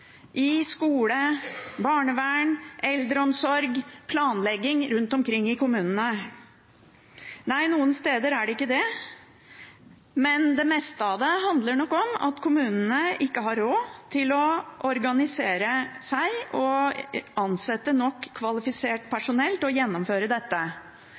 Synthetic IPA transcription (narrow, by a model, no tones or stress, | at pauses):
ʔɪskuːləbɑːɳəʋæːɳʔɛld̪ɾəɔmsɔɾɡpʰlɑːnlɛɡɪŋɾʉnt̪ɔmkʰɾɪŋːɪkʊmʉːnənə | næɪnuːənst̪eːd̪əɾæɖɛɪkːəd̪ɛ | mɛnd̪ɛmɛːst̪ɑd̪əɦɑnd̪ləɳɔkːɔmɑ̰t̪kʰʊmʉːnənəɪkːəɦɑɾoːt̪ʰɪlɔʔɔɾɡɑnɪseːɾəsæɪɔ | ɑnsɛt̪ːənɔkʰːʋɑlɪfɪseːʈpʰæʂʊnɛlt̪ɔjɛnːɔmføːɾəd̪ɛt̪ːə